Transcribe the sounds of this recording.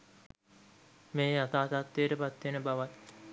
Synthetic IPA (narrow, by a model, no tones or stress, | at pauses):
meːat̪aːt̪at̪ːeːʈəpat̪ːenəbaʋat̪